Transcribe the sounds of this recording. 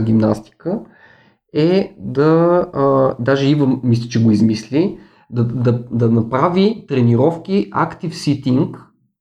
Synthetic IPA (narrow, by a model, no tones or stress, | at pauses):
ɡʲimnast̪i̥kə | ɛd̪ɐ | d̪aʒɛivəmːislʲit͡ʃɛɡoizmislʲi | d̪ɐd̪ɐd̪ɐnɐpɾavit̪ɾɛniɾɔfk̟ʲiʔa̰kt̪ifsit̪iŋk